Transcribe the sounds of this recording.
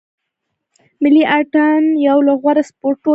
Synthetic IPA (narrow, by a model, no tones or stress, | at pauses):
mɪliʔaʈanjawlaɣwaɾaspoɾʈo